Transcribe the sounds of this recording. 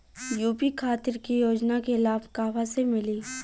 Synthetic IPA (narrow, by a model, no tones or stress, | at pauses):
juːpikʰaːt̪ɪɾkijoːd͡ʒnakeɪlaːfkaːʋasemɪliː